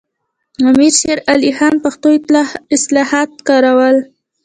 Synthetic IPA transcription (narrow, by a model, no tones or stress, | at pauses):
amiɾʃeɾalihɑnpaxt̪oɪslɑhɑt̪̚kɑɾawəl